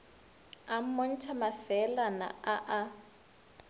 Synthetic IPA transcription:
amɔn̩tʰamafɛlana̰aʔa

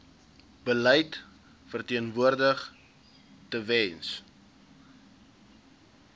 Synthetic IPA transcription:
b̥əlɛjt | fərtiənvuərdəχ | təvɛns

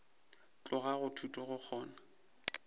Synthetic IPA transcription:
t͡ɬʼʊɣaɣʊtʰutʼɔɣʊk͡xʰɔːna

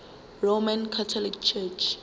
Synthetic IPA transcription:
romãnkʰatʰɔlikt͡ʃʰɛt͡ʃʰ

